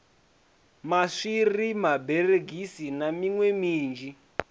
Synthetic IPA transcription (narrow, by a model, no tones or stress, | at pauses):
maʂirimabɛreɡʱisinamiŋwemiːnd͡ʒi